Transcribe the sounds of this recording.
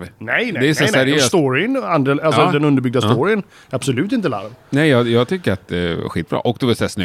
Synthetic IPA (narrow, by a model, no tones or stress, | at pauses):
vnɛjd̪ɛːsɛsæɾɪjøst̪oɾɪnand̪ɾaalsɔd̪ɛnɵnd̪əɾbʏɡd̪ast̪oɾɪən | ɾab̥sɔlʉ̟ːt̪ɪnt̪əla̰ɾvnɛɪjɑːjɑːɡ̚t̪ʰʏkːəɾat̪̚d̪ɛ̰ɧḭːt̪̚bɾɑ̰ːʔɔkd̪ɔvɛsæsnʏ